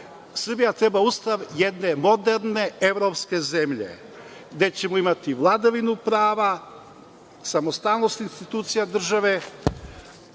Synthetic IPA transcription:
sr̩bijat̪ɾe̞baust̪aʋjed̪ne̞mo̞d̪eɾne̞e̞ʋɾo̞pske̞ze̞mʎe̞̰ | ɡd̪e̞t͡ɕe̞moimat̪iʋlˠad̪aʋinupɾaːʋa | samost̪aːlno̞st̪inst̪it̪uːt̪sijad̪r̩ʒaʋe̞

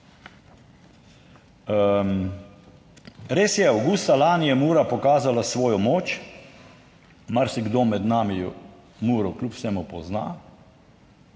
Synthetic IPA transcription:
ɾeːsjɛawɡust̪alaːnijɛmuːɾapɔkaːzalasʋɔːjɔmoːt͡ʃ | maɾsiɡd̪oːmɛd̪naːmi | muːɾɔklʲupsɛːmupɔzna̰ː

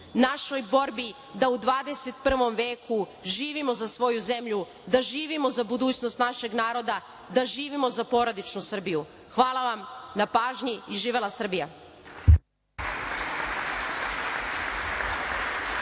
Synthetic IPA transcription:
naʃo̞jbo̞ɾbi | d̪aud̪ʋaːd̪e̞se̞t̪pr̩ʋo̞mʋeːkʰuʒiːʋimo̞zasʋo̞juze̞mʎu | d̪aʒiːʋimo̞zabud̪uːt͡ɕno̞st̪naʃe̞ɡnaːɾo̞d̪a | d̪aʒiːʋimo̞zapo̞ɾod̪it͡ʃnusr̩biju | xʋaːlˠaʋamnapaːʒɲiiʒiːʋelasr̩bija

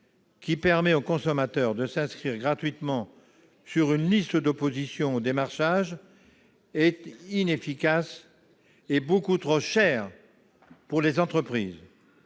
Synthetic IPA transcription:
kʲipɛʁmɛokɔ̃sɔmat̪œʁd̪əsɛ̃skχiʁɡʁat̪ɥit̪mɑ̃ | syʁynlist̪əd̪opozisjɔ̃od̪emaʁʃaʒ | ɛt̪inefikʲas | ebokut̪χoʃɛːʁ | puʁlezɑ̃t̪χəpχiːz

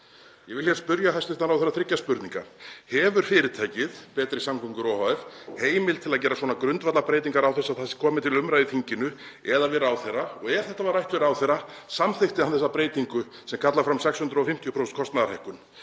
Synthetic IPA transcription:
jɛvɪlçɛɾ̥spʏɾjahajst̪ʏɪ̥ht̪anawθɛrːaθɾɪcːaspʏɾt̪nĩŋka̰ɾ̥hɛvʏɾ̥fɪːɾɪt̪ʰaːjcɪðpɛːt̪ɾisamkʰɔŋkʏɾɔhaɛfheːjmɪlt̪ʰɪlaðc̬ɛːɾaswɔːnakɾʏnt̪vat̪lapɾeːjt̪̬iŋkaɾawθɛsaðθasɪ̥kʰɔːmɪt̪ʰɪlʏmɾajðɪθiɲcɪnʏɛðavɛːɾawθeraɔɣɛɾ̥θɛht̪avaɾrajht̪vɛɾawθɛɾːa | samθext̪ɪhanθɛsːapɾeːjt̪iŋkʏ | sɛmkʰat̪lafɾamsɛkshʏnd̪ɾɔfɪm̥t̪jɔpʰɾowsɛnt̪kʰɔst̪naðaɾ̥hajhkʏn

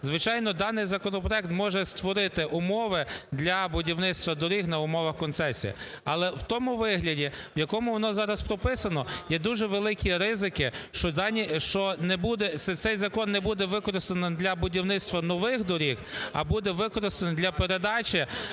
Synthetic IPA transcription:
zʋɪt͡ʃɑjnɔd̪ɑnɪjzɐkɔnɔpɾɔɛk̚t̪mɔʒɛst̪ʋɔɾɪt̪ɪʔʊmɔʋɪd̪lʲɐbʊdʲiwnɪt̪st̪ʋɐd̪ɔɾʲixnɐʊmɔʋɐxkɔnsɛsʲḭjḭ | ɐlˠɛwt̪ɔmʊʋɪɦlʲɐdʲiwjɐkɔmʊʋɔnɔzɑɾɐspɾɔpɪsɐnɔjɛd̪uʒɛʋelˠɪkʲiɾɪzɪkɪʃt͡ʃɔd̪ɑnʲiʃt͡ʃɔnɛbud̪ɛt̪sɛt̪sɛjzɐkɔnːɛbud̪ɛʋɪkɔɾɪst̪enɪd̪lʲɐbʊdʲiwnɪtst̪ʋɐnɔʋɪxd̪ɔɾʲixɐ̰bud̪ɛʋɪkɔɾɪst̪end̪ʲlʲɐpeɾed̪ɑt͡ʃʲɪ

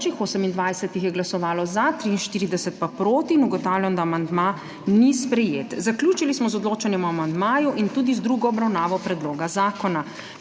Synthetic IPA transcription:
t͡ʃixoːsəmind̪ʋajsɛt̪ixjɛɡlasɔʋaːlɔzat̪ɾiinʃt̪iːɾid̪ɛsɛt̪̚papɾoːt̪iːnuɡɔt̪awljamd̪amand̪ma | nispɾɛjeːt̪zaklʲjuːt͡ʃilismɔzɔd̪loːt͡ʃanjɛmɔamand̪maːjuʔint̪uːd̪izd̪ɾuɡɔːbɾawnaːʋɔpɾɛd̪loːɡazaːkɔna

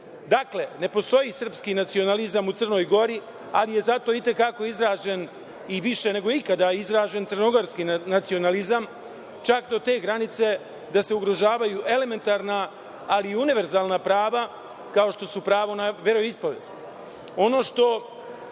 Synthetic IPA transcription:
d̪akle̞ne̞po̞st̪o̞jisr̩pskinat̪sio̞nalizamut̪sər̩no̞ːjɡo̞ɾi | alije̞zat̪o̞it̪e̞kako̞izɾaːd͡ʒe̞n | iʋiʃe̞ne̞ɡo̞ikad̪ajizɾaːd͡ʒe̞nt̪srnoɡo̞ɾskinat̪sio̞nalizam | t͡ʃakd̪o̞t̪e̞ːɡɾanit̪se̞ | d̪ase̞uɡɾo̞ʒaːʋajuʔe̞le̞me̞nt̪aːɾnaː | liːuniʋe̞ɾzaːlnapɾaːʋa | kao̞ʃt̪o̞supɾaːʋo̞naʋe̞ɾoispo̞ʋeːst̪i | o̞no̞ːʃt̪o̞

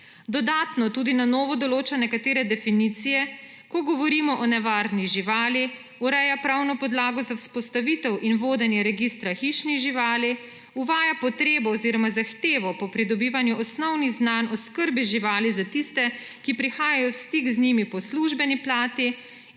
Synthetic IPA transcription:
d̪ɔd̪aːt̪nɔt̪ud̪inanoːʋɔd̪ɔloːt͡ʃanɛkat̪eːɾɛd̪ɛfinit̪sijɛ | kɔɡɔʋɔɾimɔʔɔnɛʋaːɾniʒiʋaːli | uɾɛjapɾawnɔpɔd̪laːɡɔzawspɔst̪aʋit̪ɛwʔinʋoːd̪ɛnjɛɾɛɡist̪ɾaxiʃniʒiʋaːli | uʋaːjapɔt̪ɾeːbɔːziɾɔmazaxt̪eːʋɔpɔpɾid̪ɔbiːʋanjuʔɔsnɔwniɣznanɔskəɾbiʒiʋaːlizat̪ist̪ɛ | kipɾixaːjajɔwst̪ikznimipɔsluʒbɛniplaːt̪i

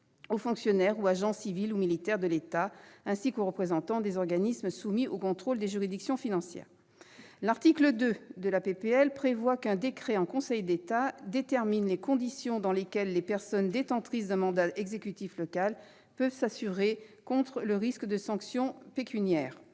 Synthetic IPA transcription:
ofɔ̃ksjɔnɛʁuaʒɑ̃sivilumilit̪ɛʁd̪əlet̪aɛ̃sikoʁəpχezɑ̃t̪ɑ̃d̪ezɔʁɡanismsumiokɔ̃t̪χold̪eʒyʁid̪iksjɔ̃finɑ̃sjɛ̰ːʁ | laʁt̪ikləd̪ød̪əlapepeɛlpχevwakɛ̃d̪ekχɛɑ̃kɔ̃sɛjd̪et̪ad̪et̪ɛʁminlekɔ̃d̪isjɔ̃d̪ɑ̃lekʲɛlːepɛʁsɔnd̪et̪ɑ̃t̪χisd̪ɛ̃mɑ̃d̪aʔɛɡzekʲyt̪iflɔkal | pœvsasyʁekɔ̃t̪χələʁiskd̪əsɑ̃ksjɔ̃pekʲʰynjɛːʁ

